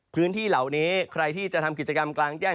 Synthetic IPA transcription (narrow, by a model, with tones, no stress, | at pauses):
pʰɯː˦˥nt̪ʰiː˥˩la˨˩wniː˦˥kʰɾa˧jt̪ʰiː˥˩t͡ɕa˨˩ʔt̪ʰa˧mk̬i˨˩t̚t͡ɕa˧ka˧mklaː˧ŋt͡ɕɛː˥˩